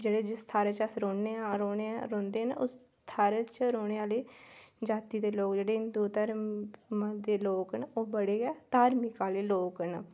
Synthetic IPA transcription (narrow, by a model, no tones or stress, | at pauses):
d͡ʒeːɽeːd͡ʒɪst̪ʰaːɾet͡ʃəsɾoːneaɾoːneaɾõːnd̪eːnʊs | t̪ʰaːɾet͡ʃɾoːɽ̃eːaːleːd͡ʒaːt̪iːd̪eːloːkd͡ʒeːɽeːɪnd̪uːt̪əɾmd̪eːloːkənoːbəɽeːɡɛːt̪aːɾmɪkaːleːloːkən